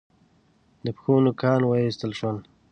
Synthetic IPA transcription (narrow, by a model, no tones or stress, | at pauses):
d̪əpxunokʰɑːnwəist̪əlʃwəl